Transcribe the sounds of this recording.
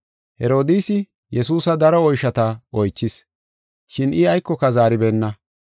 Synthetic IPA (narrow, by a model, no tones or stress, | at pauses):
hɛɾo̞ːd̪iːsɪ | jɛsuːsɐd̪ɐɾɔɔjʃɐt̪ɐɔjt͡ʃːɪs | ʃɪnɪɐjkːɔkɐzaːɾɪbeːnːɐ